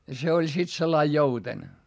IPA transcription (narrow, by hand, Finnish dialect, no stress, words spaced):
jɑ se olʲ sit selːɑi jouten